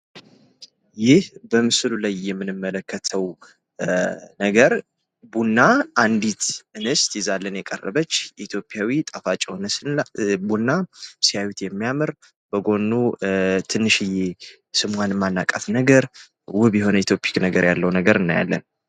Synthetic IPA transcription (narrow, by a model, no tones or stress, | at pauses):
jɪhbəmɨsɨlulajːɛmːɨnɨmːələkʰːət̪ʰəw | nəɡəɾ | bunːaʔand̪it̪ɨnɨst̪jɛzalːənjɛkʼərːə̰βət͡ʃːʔit̪ʰjo̞pʼjawit̪ʼafat͡ʃʼɛhonsbunːasijawit̪jɛmːijamɨɾ | b̥əɡo̞nːut̪ʰɨnːɨʃɨje | sɨmwanmanːakʼafnəɡəɾ | wʊβjɛɦo̞nəit̪ʰjopʰʼi̥knəɡəɾjalːəwnəɡəɾɨnːa̰ja̰lːə̰n